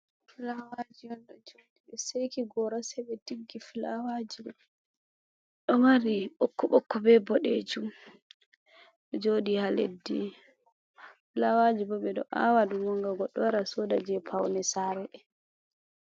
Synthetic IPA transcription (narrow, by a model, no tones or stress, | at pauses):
filawad͡ʒijɔnɗɔd͡ʒodiɓɛsejkiɡɔɾasɛɓɛtiɡːifilawad͡ʒibɔ | ɗɔmaɾiɓɔkːɔɓɔkːɔbɛbɔɗed͡ʒum | ɗɔd͡ʒodihalḛdːḭ | filawad͡ʒibɔɓɛɗɔ̰ʔa̰wadumɔŋɡaɡɔɗɔwaɾasɔdad͡ʒɛpʰawnɛsaɾɛɗɛ